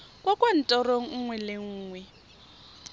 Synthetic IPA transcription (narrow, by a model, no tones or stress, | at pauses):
kʼwakʼwan̩tʼɔroŋ̩ŋwɛleŋ̩ːŋwɛ